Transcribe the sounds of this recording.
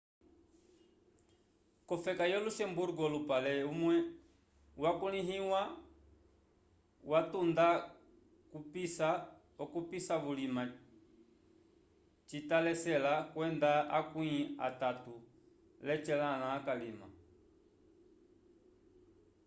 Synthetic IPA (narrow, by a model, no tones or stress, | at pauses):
kɔfɛkajɔluʃɛmbuɾuɡɔlupalɛumwɛ | wakuliɦiwa | watunda | kupisa | ɔkupisaβulima | t͡ʃitalɛsɛlakwɛndaakwia̰tatu | lɛt͡ʃɛlanaːkalima̰